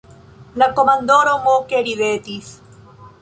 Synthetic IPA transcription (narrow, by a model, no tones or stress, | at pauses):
lakomãnd̪oɾomokeɾiðet̪is